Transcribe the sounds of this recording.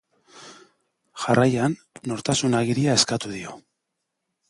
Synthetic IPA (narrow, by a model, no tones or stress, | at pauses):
ʝarʔajanː | o̞ɾt̪asunaɣiɾiae̞skat̪uðio̞